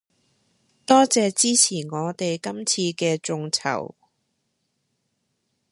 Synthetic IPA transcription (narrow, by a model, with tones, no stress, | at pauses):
t̪ɔː˥t͡sɛː˨˧t͡siː˥t͡sʰiː˨˩nŋɔː˨˧t̪e˨jkɐ˥mt͡sʰiː˧kɛː˧t͡sʊ˨˧ŋt͡sʰɐ̰˨˩w